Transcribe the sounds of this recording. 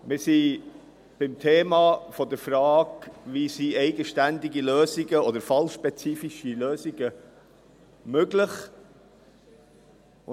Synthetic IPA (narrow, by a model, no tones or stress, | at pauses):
mɪɾsi | b̥ɪmt̪ʰeːmɑfɔd̪əɾfɾɑːɡʋisiɛɪɡəʃtænd̪iɡiløːziɡəɔd̪əɾfɑlʃpɛt͡siːfiʃiløːziɡə | møɡlɪχ